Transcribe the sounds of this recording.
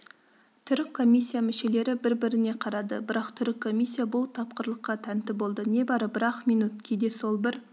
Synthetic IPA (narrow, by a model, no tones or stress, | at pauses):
t̪ʰʏɾɪkʰːo̞mʲijsʲːijamɪʃe̞le̞ɾɪbɪɾbɪɾɪne̞qʰɑɾɑd̪ə̰bɪɾɑqt̪ʰʏɾɪkʰːo̞mijsːijabʊlˠt̪ʰɑp̚qəɾlˠəqːɑt̪ʰænt̪ɪbo̞lˠd̪əne̞bɑɾəbɪɾɑqminut̪̚kʲʰed̪e̞so̞lˠbɪɾ